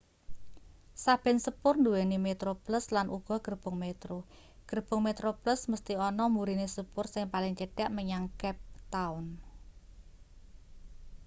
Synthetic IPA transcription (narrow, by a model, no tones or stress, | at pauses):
sab̥ɛ̤nsəpʊrnd̪uwenimet̪ɾoplʊslanʔuɡ̥ɔ̤ɡ̥ərb̥ʊŋmet̪ɾo | ɡ̥ərb̥ʊ̤ŋmet̪ɾoplʊsməst̪iɔnɔmuɾinesəpʊrsɪŋpalɪŋt͡ʃəɖ̥a̤ʔməɲaŋkɛp̚t̪aʊn